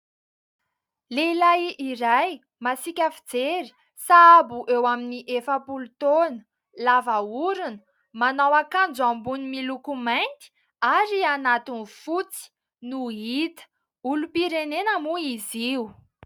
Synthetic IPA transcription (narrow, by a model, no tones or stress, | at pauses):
leilajʔiɾaj | masikʲafid͡zeɾi̥ | saabuʔewaminiʔefəpulut̪onə̥ | lavauɾunə̥ | manawakand͡zuambunimilukumajnt̪i̥ | aɾianat̪inifut͡si̥ | nuɦit̪ə̥ | ulupiɾenenamuiziu